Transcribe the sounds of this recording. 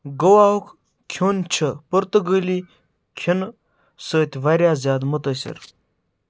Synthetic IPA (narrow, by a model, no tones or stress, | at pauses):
ɡəwaːwukʰ | kʲʰoːnt͡ʃʰəpəɾt̪əɡəlʲiː | kʲʰin | səːt̪ʲʋɐɾʲjaːzʲjaːd̪mut̪əsʲḭɾ